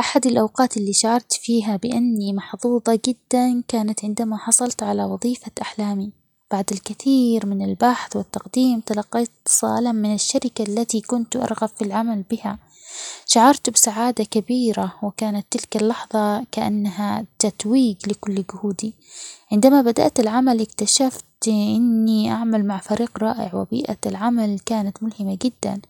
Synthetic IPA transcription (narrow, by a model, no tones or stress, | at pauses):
ʔaħad̪alʔawqɑːt̪ɪlːiːʃaʕɑɾˤt̪fiːɦabɪʔanːimɑħðˤuːðˤɑd͡ʒɪd̪ːankaːnat̪ʕɪnd̪amaħɑsˤɑlt̪ʕalawɑðˤiːfaʔaħlaːmi | b̥aʕd̪alkɪθiːɾmɪnɪlbaħθwɪt̪ːɑqd̪iːmt̪ɑlɑqːɑjt̪ːsˤɑ̰ːlammɪnɪʃːaɾɪkalːat̪ikʊnt̪ʔɑ̰ɾˤɣabfilʕamalbɪha | ʃaʕɑɾˤt̪bɪsaʕaːd̪akabiːɾawɪkaːnat̪ːɪlkalːɑħðˤɑkaʔa̰nːaɦat̪ːat̪wiːɡlɪkʊlːɡʊhuːd̪i | ʕɪnd̪amabad̪a̰ʔt̪alʕamalʔɪkt̪aʃaft̪ʔɪnːiʔaʕmalmaʕfaɾiːqɾˤɑːʔɪ̰ʕwɪ̰bḭːʔa̰lʕamalkaːnat̪mʊlhɪmad͡ʒɪd̪ːa̰n